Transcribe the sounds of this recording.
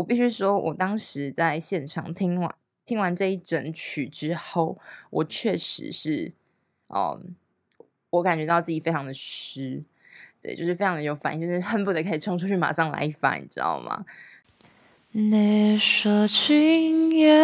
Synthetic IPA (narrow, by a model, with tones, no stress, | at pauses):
wɔ˨˩pi˥˩ɕy˥ʂwɔ˥wʔɔ̰˨˩t̪ɑ˥ŋʂɻ̩˧˦t͡sa˥˧ɪɕjɛ˥˨nʈ͡ʂʰɑ̰˨˩ŋt̪ʰi˥ŋwa˧˥n | t̪ʰi˥ŋwa˧˦nʈ͡ʂɤ˥˧i˥˩ʈ͡ʂə˨˩nt͡ɕʰy˨˩ʈ͡ʂɻ̩˥xo˥˩ʊwʔɔ˨˩t͡ɕʰɥɛ˥˩ʂɻ̩̰˧˦ʂɻ̩˥˩ | ʔə̰˨˩ | wɔ˧˥ka˨˩nt͡ɕɥɛ˧˥t̪ɑ˥˧ʊt͡sɹ̩ɨ˥˩t͡ɕi˨˩fe˥ɪʈ͡ʂʰɑ˧ŋd̪ə˨ʂ̩˥ | t̪we˥˩ɪt͡ɕjo˥˧ʂɻ̩˥˧e˥ɪʈ͡ʂʰɑ˧ŋd̪ə˧jo˧˥ʊfa˨˦ni˥˧t͡ɕo˥˧˩ʂɻ̩˥˩hə˥npu˥˩t̪ə˧˩kʰa˥˩i˨˩ʈ͡ʂʰɤ˥ŋʈ͡ʂʰu˥t͡ɕʰy˥˩ma̰˨˩ʂɑ˥˩ŋla̰˧ɪi˧˩fa̰˧˥n̰˨˩ʈ͡ʂ̩˥ɑ̰˥˩ʊma̰˩ | ne˧˩ʂə˧˩t͡ɕʰi˥ŋjɛ˥